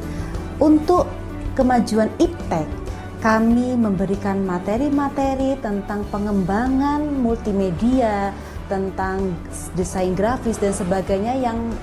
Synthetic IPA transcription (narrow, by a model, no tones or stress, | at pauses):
ʔunt̪ʊʔ | kəmad͡ʒuanip̚t̪ɛkː | amiməmbəɾikanmat̪eɾimat̪eɾit̪ənt̪aŋpəŋəmbaŋanmult̪imedia | t̪ənt̪aŋ | disainɡɾafɪsdansəbaɡajɲajaŋ